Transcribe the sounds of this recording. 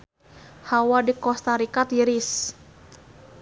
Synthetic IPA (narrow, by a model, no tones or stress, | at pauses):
hawadikɔst̪aɾikat̪iɾis